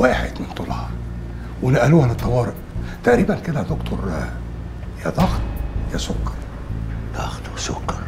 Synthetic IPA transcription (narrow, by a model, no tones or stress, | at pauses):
waːħḛd̪mɪnt̪ˤolhɑ | wenæʔæluːhænɪt̪ˤːɑwɑːɾɪʔt̪æʔɾiːbænked̪æd̪okt̪ʰoɾˤ | jæd̪ˤɑxt̪jæsʊkːɑ̥ɾˤ | d̪̥ɑxt̪wesokːɑɾˤ